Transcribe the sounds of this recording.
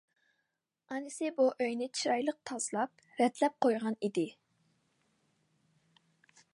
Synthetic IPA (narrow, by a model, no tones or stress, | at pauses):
ɑnɪsɪbuʔøjnɪt͡ʃʰiɾɑjlˠəq̚t̪ʰɑz̥lˠɑp̚ | ɾɛt̪ʰlɛp̚qʰojʁɑnid̪ɪ